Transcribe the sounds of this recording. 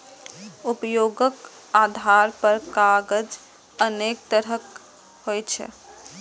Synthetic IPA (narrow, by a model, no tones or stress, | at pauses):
upjoɡək | ad̪ʱaɾpəɾkaɡəd͡ʒ | ənek̚t̪əɾək | hojt͡ʃʰɛ̰